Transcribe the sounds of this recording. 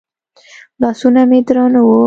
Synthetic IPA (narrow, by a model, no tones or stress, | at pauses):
lɑsunamed̪ɾɑnawo